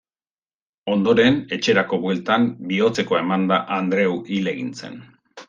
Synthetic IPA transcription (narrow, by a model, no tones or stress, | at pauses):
o̞nd̪o̞ɾe̞ne̞t͡ʃe̞ɾako̞βwe̞lt̪ambio̞t͡se̞ko̞e̞mand̪aʔand̪ɾe̞wile̞ɣint͡se̞̰n